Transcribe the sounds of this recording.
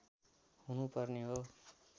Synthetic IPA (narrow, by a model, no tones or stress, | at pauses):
hunupʌrneɦo